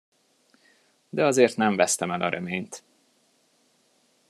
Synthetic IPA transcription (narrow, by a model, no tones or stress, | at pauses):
d̪ɛɒzeːrt̪nɛɱvɛst̪ɛmɛlɒɾʔɛmeːɲt̪